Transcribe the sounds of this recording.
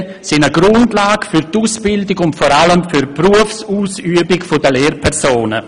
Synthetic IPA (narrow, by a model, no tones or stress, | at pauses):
sɪnəɡɾʊndlaːɡ̥fyɾtuːsb̥ɪldɪɡʊntfɔɾaləmfyɾpruəfsuːsyːəbɪkfodəleːɾpʰɛʁsoːnə̰